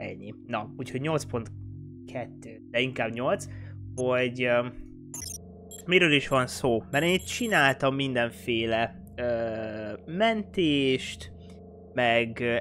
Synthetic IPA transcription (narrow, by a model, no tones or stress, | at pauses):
ɛ̰ɲːinɒuːcho̞ɟɲo̞lt̪spo̞nt̪ | kʰɛt̪ːøːd̪ɛiŋkaːbɲo̞lt̪sho̞ɟ | miɾøːliʃʋɒnsoːmɛɾeːnːit̪̚t͡ʃinaːlt̪ɒmːind̪ɛɱfeːlɛ | ø | mɛnt̪eːʃt̪ | mɛɡ